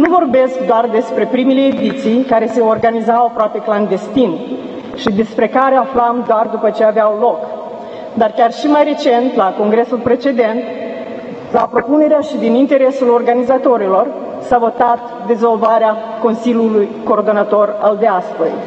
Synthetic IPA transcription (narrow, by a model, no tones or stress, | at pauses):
nuvo̞rbe̞skd̪oard̪e̞spɾe̞pɾimele̞ːd̪it̪sijkaɾe̞se̞orɡanizawapɾoape̞kland̪e̞st̪in | ʃid̪e̞spɾe̞kaɾeaflamd̪oard̪upət͡ʃe̞aveawlo̞k | d̪arkʲarʃimajɾe̞t͡ʃe̞nt̪lako̞ŋɡɾe̞sulpɾe̞t͡ʃe̞d̪e̞nt̪ | lapɾo̞pune̞ɾeaʃid̪inint̪e̞ɾe̞sulo̞rɡanizat̪o̞ɾilo̞r | savo̞t̪at̪ | d̪e̞zo̞lvaɾea | ko̞nsilʲjulujko̞ːrd̪o̞nat̪o̞rald̪east̪əj